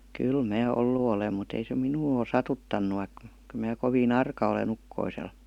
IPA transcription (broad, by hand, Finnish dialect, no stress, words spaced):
kyl mæː olːu olem mut ei se minuː oˑ sɑtutːɑnːu ʋɑik kyl̆ mæː koʋiːn ɑrkɑ olen ukːoisel